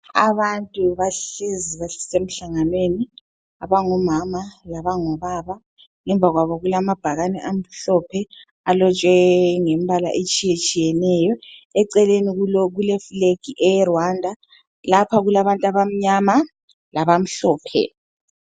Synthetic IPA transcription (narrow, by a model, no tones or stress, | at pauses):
a̰βantʼuβaɬiziβaɬi̥sem̩ɬaŋanweni | aβaŋɔmamalaβaŋɔβaβa | ŋɛɱbvʱaɣwaβɔɣulamab̥ʱaɣanɛʔam̩ɬɔpʰɛ | alɔt͡ʃʼwɛŋem̩βala̰ʔet͡ʃʼijet͡ʃʼijɛnɛjɔɛǀɛleniɣulɔɣulɛfleɡ̥iʔɛjrwandʱa | lapʰaɣulaβantʼaβam̩ɲama | laβam̩ɬɔːpʰɛ̰